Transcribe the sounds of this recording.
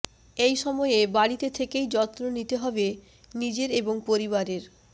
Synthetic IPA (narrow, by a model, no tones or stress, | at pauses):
ejʃɔmɔeebaɽit̪et̪ʰekejd͡ʑɔt̪ːɾonit̪eɦɔbe | nid͡ʑeɾeboŋpoɾibaɾeɾ